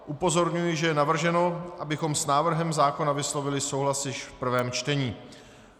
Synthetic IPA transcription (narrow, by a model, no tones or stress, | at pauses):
ʔupo̞zo̞ɾɲujɪʒɛjɛnavr̩ʒɛno̞ʔabɪxo̞msnaːvr̩ɦɛmzaːko̞navɪslo̞vɪlɪsowɦlasjɪʃfpr̩vɛːmt͡ʃt̪ɛɲiː